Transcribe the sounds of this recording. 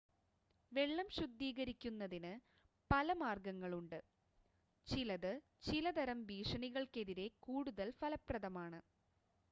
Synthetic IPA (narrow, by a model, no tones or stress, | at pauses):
ʋe̞ɭːɐmɕud̪ʱːiːɣɐɾikʲːunːɐðinɨ | pɐlɐmaːrɡɐŋːɐɭuɳɖɨ | t͡ɕilɐðɨ | t͡ɕilɐd̪ɐɾɐmʋiːʂɐɳiɣɐɭke̞ðiɾe̞kuːɽuðɐlfɐlɐprɐðɐmaːɳɨ